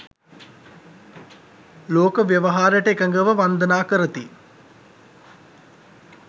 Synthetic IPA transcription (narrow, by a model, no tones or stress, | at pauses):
loːkəʋjəʋəɦaːɾəʈəekəŋɡəʋəʋand̪ənaːkəɾət̪i